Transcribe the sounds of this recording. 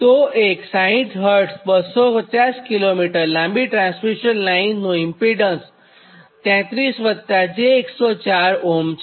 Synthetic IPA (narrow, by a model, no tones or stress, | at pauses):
t̪oeksãĩʈɦəɾʈsbəsɔkət̪jaskilomiʈəɾlãmbiʈɾãnsfiɕənlainːoimpiɖəns | t̪jãt̪ɾiːsʋət̪ːad͡ʑeːksɔt͡ɕaɾoms